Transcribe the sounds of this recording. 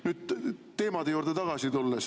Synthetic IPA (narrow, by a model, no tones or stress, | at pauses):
nyːd̪̥̚t̪e̞ːmɑd̪e̞juːɾd̪̥et̪ɑɡ̥ɑsit̪ulːes